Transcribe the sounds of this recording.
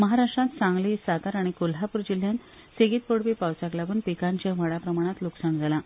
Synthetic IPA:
məɦaɾaʂʈɾãt̪sãŋɡliːsat̪aɾaɽ̃ikolɦapuɾd͡ʑil̤jan | seɡiːt̪̚poɽpiːpawt͡saklabunpikãɲt͡ɕaʋ̤əɽapɾəmaɽ̃ãt̪luksaɳd͡zʱala

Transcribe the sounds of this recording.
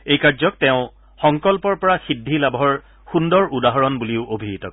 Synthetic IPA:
ejkazɔk̚tɛʊ̃ | xɔŋkɔlpɔɹpɔɹaxidʱilabʱɔɹ | xundɔɹudaɦɔɹɔnbuliʊʔobʱiɦitɔ

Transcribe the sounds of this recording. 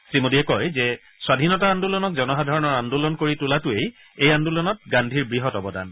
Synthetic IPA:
sɹimodiɛkɔjzɛ | swadʱinɔtaandulɔnɔkzɔnɔɦadʱɔɹɔnɔɹandulɔnkoɹitʊlatʊej | ejandulɔnɔt̚ɡandʱiɹbɹiɦɔtɔbɔda̰n

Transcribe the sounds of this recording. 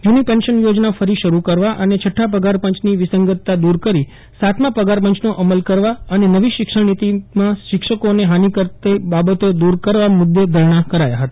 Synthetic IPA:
junipɛnʃənjod͡ʒnafəɾiʃəɾukəɾʋaʔənet͡ʃʰəʈʰːapəɡaɾpə̃ɲt͡ʃniʋɪsəŋɡət̪ːad̪uɾkəɾi | sat̪mãpəɡaɾpəɲt͡ʃnoʔəməlkəɾʋaənenəʋiʃɪkʂəɽnit̪imãʃɪkʂəkoneɦanikəɾt̪ebabət̪od̪uɾkəɾʋamud̪ːed̪ʱəɾɳ̃akəɾaja̰ɦət̪ḁ

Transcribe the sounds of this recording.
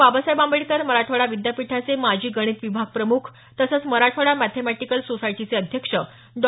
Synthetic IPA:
ʋabasajbãmbəɭt̪əɾməɾaʈʰoɽaʋid̪japiʈʰat͡semad͡ʑʱiːɡəɽ̃iːt̪ʋibʱaɡ̚pɾəmukʰ | t̪əsət͡sməɾaʈʰoɽamæt̪ʰemæʈikəlsosaiʈit͡seəd̪ʱjəkʂə | ɖ

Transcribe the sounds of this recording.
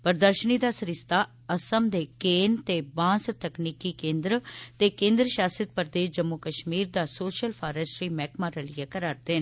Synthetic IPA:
pəɾd̪əɾʃəniːd̪aːsəɾɪst̪aː | əsəmd̪eːkeːnt̪eːbãːst̪əkniːkiːkẽːnd̪ɾt̪eːkẽːnd̪ɾəʃaːsɪt̪̚pəɾd̪eːʃd͡ʒəmːʊkəʃmiːɾd̪aːsoːʃəlpʰaːɾɛsʃɾiːmɛːkmaːɾəlɪeːkəɾaːɾd̪eːn

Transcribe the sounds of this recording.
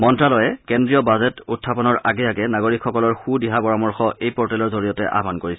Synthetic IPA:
mɔntɹalɔjɛkɛndɹijɔbazɛtutʰːapɔnɔɹaɡɛakɛnaɡoɹikxːɔkɔlɔɹxudiɦabɔɹamɔɹxɔʔejpɔɹtɛlɔɹzoɹijɔtɛʔa̰bʱankoɹisɛ

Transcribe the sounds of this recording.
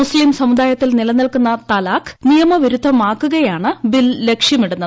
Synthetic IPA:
musliːmsɐmud̪aːjɐt̪ːilnilɐnːɐlkunːɐt̪ɐlaːknijɐmɐʋiɾud̪ʱːɐmaːkːuɣɐjaːɳɨbilːe̞kʂjɐmiɽunːɐð

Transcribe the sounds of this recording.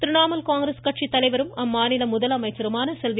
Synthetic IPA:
t̪ɪɾɪɳaːmɐlkaːŋɡɾɐskɐʈ̚t͡ʃit̪ːɐlɐɪʋɐɾɯmɐmːaːnɪlɐmʊðɐlɐmɐɪt͡ʃːɐɾɯmaːnɐsɛlʋ

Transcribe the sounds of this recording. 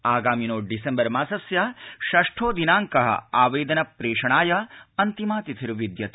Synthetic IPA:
aːɡaːminoːɖisembɐɾmaːsɐsjɐʃɐʂʈʰoːd̪inaːŋkɐɦɐ̰aːʋeːd̪ɐnɐpɾeːʂɐɳaːjɐɐnt̪imaːt̪it̪ʰiɾʋid̪jɐt̪

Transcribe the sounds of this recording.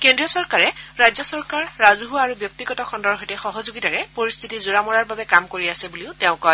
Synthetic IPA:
kendɹiɔsɔɹkaɹɛɹajzɔsɔɹkaɹːazɦuaɹubjɔk̚tiɡɔtɔkʰɔndɔɹɦojtɛxɔɦɔzoɡitaɹɛpoɹist̪ʰitizuɹamɔɹaɹbabɛkamkoɹiasɛbuliʊtɛʊ̃kɔ

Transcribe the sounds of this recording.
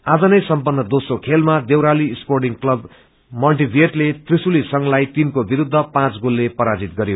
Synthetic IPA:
ad͡zʌnʌjsʌmpʌnːʌd̪osokʰelmad̪ewɾaliːsporʈiŋklʌb | mʌlʈibʱeʈlet̪risulisʌŋlajt̪inkobiɾud̪ʱːʌpãt͡sɡolːepʌɾad͡zit̪̚ɡʌɾjo

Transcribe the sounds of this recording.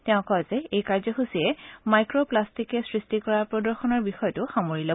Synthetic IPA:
tɛʊ̃kɔzɛejkaɹzɔxusiɛmajkɹoplastikɛsɹistikɔɹapɹɔdɔɹxɔnɔɹbixɔjɔtʊxamoɹilo

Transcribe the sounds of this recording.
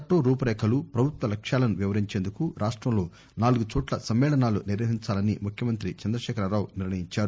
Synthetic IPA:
ʈːoːɾuːpɐɾɛːkʰɐlupɾɐbʱut̪ʋɐlɐkʂjaːlɐnuʋiʋɐɾiɲt͡ʃeːnd̪ukuɾaːʂʈɾɐmlo̞ː | naːluɡut͡ʃɔːʈlɐsɐmʋɛːɭɐnaːlṵniɾʋɐɦiɲt͡ʃaːlɐnimukʰjɐmɐnt̪ɾit͡ʃɐnd̪ɾɐʃɛːkɐɾɐɾaːwniɾɳɐjiɲt͡ʃaːɾu

